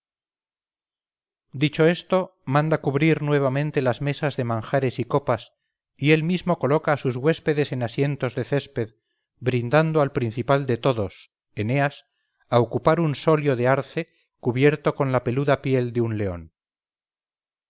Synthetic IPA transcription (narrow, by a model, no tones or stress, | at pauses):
d̪it͡ʃo̞e̞st̪o̞mãnd̪akuβɾiɾnwe̞β̞amẽnt̪e̞lazme̞sazðe̞mãŋxaɾe̞siko̞pas | ie̞lmizmo̞ko̞lo̞kaːsuzɣwe̞spe̞ðe̞se̞nasje̞nt̪o̞zðe̞θe̞spe̞ð | bɾind̪and̪oalpɾin̟θipald̪e̞t̪o̞ðo̞s | e̞ne̞as | aokupaɾunso̞ljo̞ðeaɾθe̞ | kuβje̞ɾt̪o̞ko̞nlape̞luðapje̞ld̪eunle̞o̞̰n